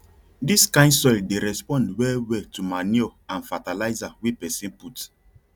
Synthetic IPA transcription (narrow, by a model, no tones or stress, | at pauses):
diskãɪ̃ndsɔɪldeɾɛspɔ̃ndwɛwɛltumaniɔãnfatalaɪzawipɛsĩnput